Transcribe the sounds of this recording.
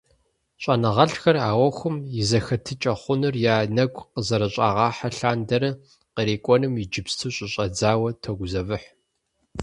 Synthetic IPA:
ɕʼɐnɐʁɐɬxɐraːwɐxʷʊmjɪzɐxɐtʰɨt͡ʃʼɐχʷʊnɨrjaːnɐɡʷʼqəzɐɾɐɕʼa̰ːʁɑːħaɬaːndɐɾɐ | qəɾeːkʷʼɔnɨmid͡ʒɪpstʰɨɕʼɪɕʼɐd͡zaːwɐtʰɐɡʷʊzɐvɨħ

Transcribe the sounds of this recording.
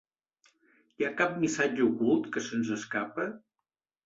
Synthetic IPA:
jakap̚misad͡ʒəukulˠt̪kəsənzəskapə

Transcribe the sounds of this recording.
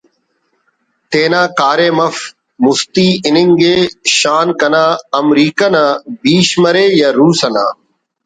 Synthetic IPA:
t̪eːnãːkaːɾeːməf | mʊst̪iːɪnɪŋɡeːʃaːnkənãːəmɾiːkənãːbiːʃməɾeːjaːɾuːsəna̰ː

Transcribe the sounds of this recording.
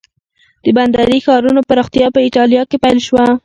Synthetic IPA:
d̪̥əband̪aɾixɑɾunopaɾɑxt̪ijɑpəiʈɑljɑkepajlʃwa

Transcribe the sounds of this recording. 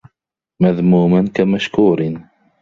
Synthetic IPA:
maðmuːmankamaʃkuːɾɪ

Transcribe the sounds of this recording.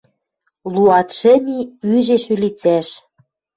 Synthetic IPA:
luɑt̪ʃɘ̆miyʒeʃylit͡sæʃ

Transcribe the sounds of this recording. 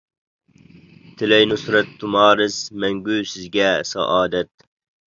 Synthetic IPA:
t̪ʰɪlɛjnʊsɾɛt̪ʰːumɑːɾɪzmɛŋɡʲyːsɪzɡʲɛsɑ̰ʔɑːd̪ɛt̪̚

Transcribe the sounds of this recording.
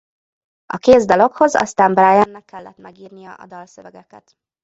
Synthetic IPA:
ɒkeːzd̪olo̞kho̞zɒ̰st̪aːmbraːjɛnːɛkːɛlːɛt̪mɛɡiːrnijɒʔɒ̰d̪ɒlsøvɛɡɛkɛ̰t̪

